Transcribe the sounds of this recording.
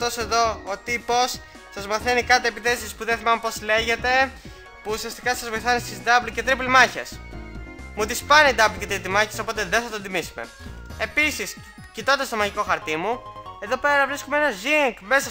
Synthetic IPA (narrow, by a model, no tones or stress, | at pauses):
t̪o̞seðo̞ot̪ipo̞s | sɐzmɐθe̞nikɐt̪oepiθe̞sispuðenθimɐmepo̞zle̞ʝe̞t̪e̞ | puːsiɐst̪ikɐsɐzvo̞jθɐnist̪izd̪ɐblce̞t̪ɾiplimɐçḛs | mut̪ispɐnid̪ɐblce̞t̪ɾit̪imɐçeso̞po̞t̪e̞ðeθɐt̪ond̪imisume̞̰ | e̞pisis | cit̪ond̪est̪omɐʝiko̞xɐɾt̪imue̞ðo̞pe̞ɾɐvɾiskomee̞nɐziŋɡme̞sɐ